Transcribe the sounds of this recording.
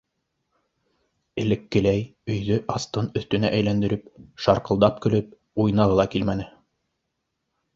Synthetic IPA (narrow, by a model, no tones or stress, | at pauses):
ɘ̆lɘ̆kːɘ̆læjɵ̆jðɵʔɑst̪ɤnɵ̆θt̪ɵ̆næʔæjlænd̪ɘ̆ɾɘpʃɑɾqɤ̆lˠd̪ɑp̚kɵ̆lɵp̚ | ujnɑʁɤ̆lˠɑkilmænɘ